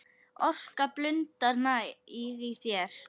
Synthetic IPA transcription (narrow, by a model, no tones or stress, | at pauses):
ɔskaplʏnt̪aɾnaiɣisjɛɾ̥